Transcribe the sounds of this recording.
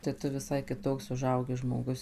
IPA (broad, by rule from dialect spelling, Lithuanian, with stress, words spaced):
tɐɪ ˈtʊ ʋʲɪˈsɐɪ kʲɪˈtoːks ʊˈʒɐʊɡʲɪ ʒmoːˈɡʊs